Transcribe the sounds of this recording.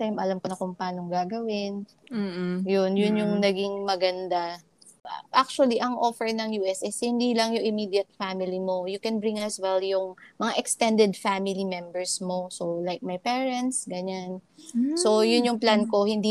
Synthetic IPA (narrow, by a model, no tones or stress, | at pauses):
t̪ɛmʔɐlamkonɐkʊŋpaːnoŋɡaːɡɐwɪn | jʊnjʊnjʊŋnɐɡɪŋmɐɡɐnd̪a | ʔʔak̚t͡ʃuɐliʔɐŋʔofɛɹnɐŋjuːʔɛsʔɛshɪnd̪ilɐŋjʊŋʔɪmid̪jɐt̪̚famɪlimo̞jʊkɛnbɹiŋɐswɛljʊŋmɐŋaʔɛkst̪ɛ̃nd̪ɛd̪famɪlimɛmbɛɹsmo̞solajk̚mɐjpɛːɹɛnt̪sɡɐɲanso̞jʊnjʊŋplanko̞hɪnd̪i